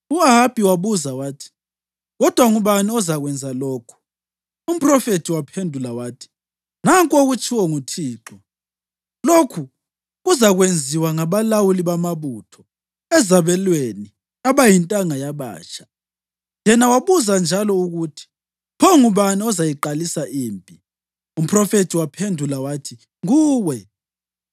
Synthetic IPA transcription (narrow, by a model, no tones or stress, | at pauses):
uaɦab̥ʱiwaβuzawaːtʰi̥ | ɣɔd̥ʱwaŋuβaniɔzaɣwɛnd͡zʱalɔːkʰɔ̥ | um̩pʼrɔfetʰiwapʰendʱulawaːtʰi̥ | naŋkʼoɣut͡ʃʰʼiwɔŋutʰiːǁɔ | lokʰu | ɣuzaɣwend͡zʱiwaŋaβalawuliβamaβutʰɔ | ɛzaβɛlweni | aβajintʼaŋajaβa̰ːt͡ʃʰʼḁ | jɛnawaβuzand͡ʒʱalɔuɣutʰi̥ | pʰɔŋuβaniɔzajiǃalisaʔiːmpʼi | um̩pʰrɔfetʰiwapʰendʱulawaːtʰi | ŋuːwɛ